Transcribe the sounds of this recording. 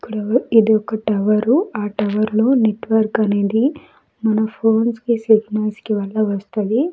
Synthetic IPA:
kːuɽɐid̪iɔkɐʈɐʋɐɾuaːʈɐʋɐɾloːneʈʋɐɾkɐne̞ːd̪i | mɐnɐpʰoːnskisiɡnɐnskiʋɐlːɐʋɐst̪ɐd̪i

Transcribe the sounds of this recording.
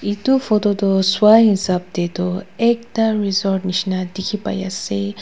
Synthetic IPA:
it̪ufʰɔt̪ɔt̪ɔswaɦĩsap̚d̪et̪ɔek̚t̪aɾizɔɾʈniʃnad̪ikʰipa̰ja̰se

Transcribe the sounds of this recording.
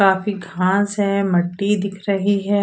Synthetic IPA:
aːfiɡʱãːsɦɛmɐʈːid̪ɪkʰɾɐɦiɦɛː

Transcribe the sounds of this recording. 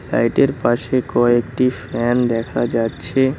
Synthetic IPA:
la̰jʈeɾpaʃekɔek̚ʈifɾɛnd̪ɛkʰad͡ʑatːɕʰe

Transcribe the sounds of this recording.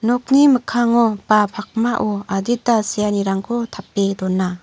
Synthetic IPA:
nɔk̚niməkʰaŋɔpapʰak̚maʔɔadit̚dasijaniɾaŋkʰotʰapːedɔnːa

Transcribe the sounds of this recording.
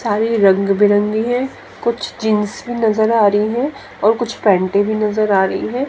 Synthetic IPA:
saːɾiɾɐ̃ŋɡbʱiɾɐ̃ŋɡiɦɛ̃ː | kʊt͡ʃʰd͡ʒɪ̃nsbʱinɐzəɾaːɾɐɦiɦɛ̃ | ɔːɾkʊt͡ʃʰpɛ̃ːɳʈẽbʱinɐzəɾaːɾɐɦiɦɛ̃ː

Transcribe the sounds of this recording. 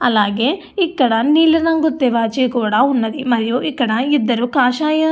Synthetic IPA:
ɐlaːɡe | ikːɐɽɐniːlinɐŋɡut̪ːeʋaːt͡ʃikuːɽɐunːɐd̪imɐɾjuʔikːɐɽɐid̪ːɐɾukaːʃaːjɐ

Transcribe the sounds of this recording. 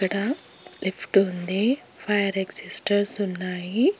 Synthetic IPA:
ɐɽa | lipʰʈund̪e | fʰajəɾeksisʈɐɾsunːaːji

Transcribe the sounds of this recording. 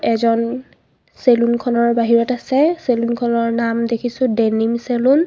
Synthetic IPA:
ɛzɔn | selunkʰɔnɔɹbaɦiɹɔtasɛselunkʰɔnɔɹnamdekʰisʊ̃denimselun

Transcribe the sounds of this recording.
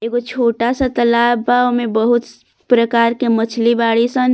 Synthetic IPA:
eɡot͡ʃʰoːʈasə̃t̪əlabːaomebəɦut̪ | pɾəkaɾkemət͡ʃʰlibaɽisən

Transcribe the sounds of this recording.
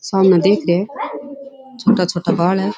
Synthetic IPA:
samnad̪ekʰɾe | t͡ʃʰoːʈat͡ʃʰoʈabʌɭɛ

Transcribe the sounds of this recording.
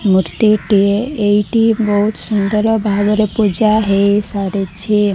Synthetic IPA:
muɾt̪iʈieejʈibɔɦut̪sund̪əɾɔbʱaɡɔɾepud͡ʒaɦejsaɾet͡ʃʰi

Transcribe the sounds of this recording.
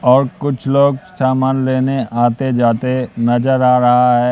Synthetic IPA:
ɔːɾkʊt͡ʃʰloːɡsaːmaːnleːneʔaːt̪ed͡ʒaːt̪enɐd͡ʒəɾaːɾɐɦaɦɛː

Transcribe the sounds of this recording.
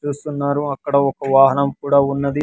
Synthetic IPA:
t͡ʃuːst̪unːaːɾuɐkːɐɽɐɔkɐʋaːɦɐnɐmkuːɽaːunːɐd̪i

